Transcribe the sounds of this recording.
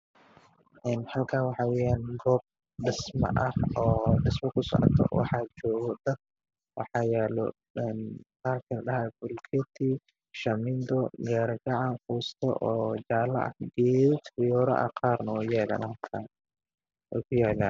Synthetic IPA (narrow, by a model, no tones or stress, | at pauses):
ʔɛnhɐlkʰaːwɑħɑːwɛjaːnɡɔːb̚ | ɖɪsmɐ̰ʔɐhɔːɖɪsmɐkʰʊsɔ̰ʕɔ̰t̪ʰɔ̰wɑ̰ħɑːt͡ʃɔːɣɔd̪ɐd̚ | wɑ̰ħɑːjɛːlɔ̰ | ɛnqaːrkʰɐlɗɐɦɛbʊlkʰɛt̪ʰi | ʃɐmɪnd̪ɔɡaːɾɐɡɑʕɑnkuːst̪ʰɔ̰ʔɔːd͡ʒaːlːɐ̰ʔɐ̰hɡɛːt̪ɪjɔːɾɐ̰ʔɐ̰qɑːrnɐwɛjɛːla̰ːnhɐlkʰan | wɛ̰kʰʊjaːlaːn